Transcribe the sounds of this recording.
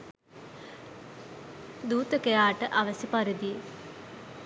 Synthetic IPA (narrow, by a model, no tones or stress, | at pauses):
d̪uːt̪əkejaːʈəʔaʋɐsipaɾed̪ije